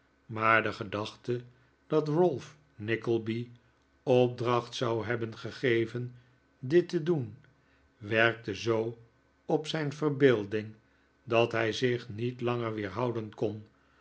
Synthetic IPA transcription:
maːɹdəχədɑχtə | d̥ɑtrʊlˠf | nɪkəlˠbi | ɔp̚drɑχtsawɦɛbənχəχejvən | dɪtədun | ʋɛɹk̚təzow | ɔpsɛjnvərbeːlˠdɪŋ | dɑtɦɛjzɪχnitlɑŋəɹʋɪːɹɦɑwdənkɔn

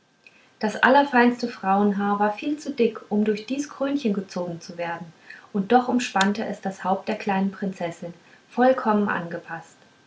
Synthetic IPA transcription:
d̥asʔa̰lɐfaɪnstəfʁ̥aʊənɦaːɐvaːɐfiːlt͡sudɪkʔʊmdʊɐçd̥iːsɡ̥ʁ̥øːnçənɡət͡soːɡŋ̩t͡suveːɐdn̩ | ʔʊnt̚d̥ɔχʊmʃpantəʔɛsd̥ashaʊp̚t̚d̥eːɐkl̥aɪnənpʁ̥ɪnt͡sɛsɪn | fɔlkʰɔmənʔa̰nɡəpʰast

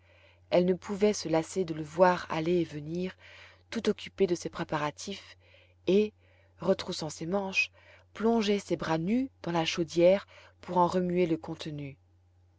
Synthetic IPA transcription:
ɛlnəpʰuvɛsəlased̪ələvwaʁa̰leːvəniːʁt̪ut̪ɔkʲyped̪əsepχepaʁat̪ʰif | e | ʁət̪χusɑ̃semɑ̃ʃ | plɔ̃ʒesebʁanyd̪ɑ̃laʃod̪jɛːʁ | puʁɑ̃ʁəmyeləkɔ̃t̪ny

